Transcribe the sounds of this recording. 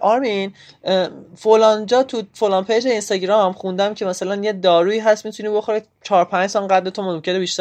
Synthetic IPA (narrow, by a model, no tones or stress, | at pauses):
ʔɒːɾmin | folɒːnd͡ʒɒːt̪ʰufolɒnpʰejd͡ʒeinst̪ɒɟɾɒmχund̪æmcʲʰe̞mæsælænjed̪ɒːɾuːiːɦæst̪mit̪ʰuniːbo̞xoɾi | t͡ʃʰɒːɾpʰænd͡ʒsɒnɢæd̪le̞t̪ʰomomcʰe̞nebiʃt̪æ